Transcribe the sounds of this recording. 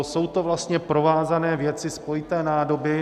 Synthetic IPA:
so̞wt̪o̞vlast̪ɲɛpɾo̞vaːzanɛːvjɛt͡sɪspojɪt̪ɛːnaːdo̞bɪ

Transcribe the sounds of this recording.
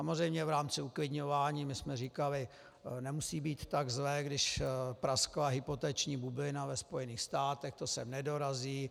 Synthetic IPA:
samorɛjmɲɛvɾaːmt͡sɪuklɪdɲovaːɲiːmɪsmɛriːkalɪ | nɛmusiːbiːt̪ːaɡzlɛːɡdɪʃpɾasklaɦɪpo̞t̪ɛt͡ʃɲiːbublɪnavɛspo̞jɛniːxst̪aːt̪ɛxt̪osɛmnɛdo̞ɾaziː

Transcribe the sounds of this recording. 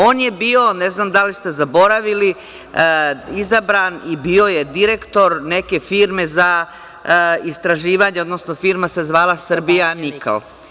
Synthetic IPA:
o̞ːnje̞biːo̞ne̞znamd̪alist̪e̞zabo̞ɾaʋili | izabɾanibio̞je̞d̪iɾe̞kt̪o̞ɾne̞ke̞fiːɾme̞za | ist̪ɾaʒiːʋaɲeo̞d̪no̞sno̞fiːɾmasezʋaːlˠasr̩bijaniko̰l

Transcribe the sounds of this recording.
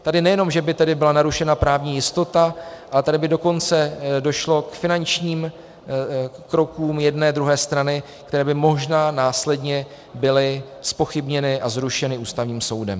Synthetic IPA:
t̪adɪnɛjɛno̞mʒɛbɪt̪ɛdɪbɪlanaɾuʃɛnapɾaːvɲiːjɪst̪o̞t̪aʔalɛt̪adɪbɪdo̞ko̞nt͡sɛdo̞ʃlo̞kfɪnant͡ʃɲiːm | kɾo̞kuːmjɛdnɛːd̪ɾuɦɛːst̪ɾanɪ | kt̪ɛɾɛːbɪmo̞ʒnaːnaːslɛdɲɛ | bɪlɪ | spo̞xɪbɲɛnɪʔazɾuʃɛnɪuːst̪avɲiːmso̞wdɛm

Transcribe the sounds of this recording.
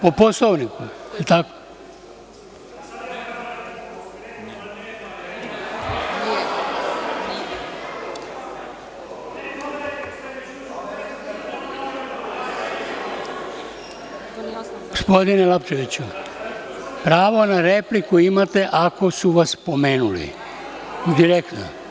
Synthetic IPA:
poposloʋnikuelt̪ako | ɡospo̞d̪inelapt͡ʃeʋit͡ɕu | pɾaːʋo̞naɾeplikuimat̪e̞ʔako̞suʋaspomeːnulḭ | d̪iɾekt̪no̰

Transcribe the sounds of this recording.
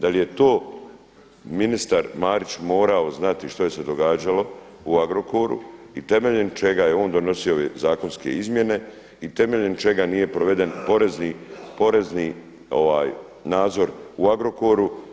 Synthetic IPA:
d̪alije̞t̪o̞ː | minist̪aɾmaːɾit͡ɕmo̞ːɾao̞znat̪iʃt̪o̞je̞se̞d̪o̞ɡaːd͡ʒalo̞ | uaɡɾo̞koɾṵit̪e̞me̞ʎent͡ʃe̞ɡajeo̞ːnd̪ono̞sioʋezaːko̞nske̞̰izmje̞ne̞ | it̪e̞meʎent͡ʃe̞ɡanije̞pɾoʋe̞d̪e̞npo̞ɾe̞zniːpo̞ɾe̞zni | o̞̰ʋaːj | naːd̪zo̞ɾuaɡɾo̞koɾu

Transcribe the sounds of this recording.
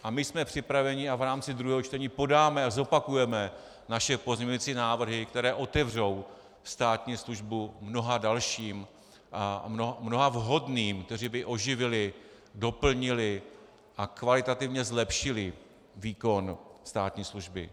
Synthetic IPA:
ʔamɪsmɛpr̥ɪpɾavɛɲɪʔavɾaːmt͡sɪd̪ɾuɦɛːɦot͡ʃt̪ɛɲiːpo̞daːmɛazo̞pakujɛmɛ | naʃɛpo̞zɲɛɲujiːt͡siːnaːvr̩ɦɪkt̪ɛɾɛːʔo̞t̪ɛvr̝o̞w | st̪aːt̪ɲiːsluʒbumno̞ɦadalʃiːm | anomno̞ɦavɦo̞dniːmkt̪ɛriːbɪʔo̞ʒɪvɪlɪ | do̞pl̩ɲɪlɪ | ʔakvalɪt̪at̪ɪvɲɛzlɛpʃɪlɪ | viːko̞nst̪aːt̪ɲiːsluʒbɪ̰

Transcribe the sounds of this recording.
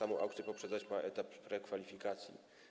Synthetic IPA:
amɔ̃w̃ʔa̰wkt̪sʲjɛpɔpʂɛd̪zat͡ɕmaʔɛt̪apːɾɛkfalʲifʲikat̪sʲjḭ

